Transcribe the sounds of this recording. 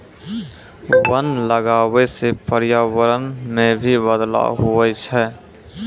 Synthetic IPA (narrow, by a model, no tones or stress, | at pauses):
bənd̪ləɡaːwesepəɾjaːwəɾənmẽbʱibəd̪la̰ɦuɛt͡ʃʰɛ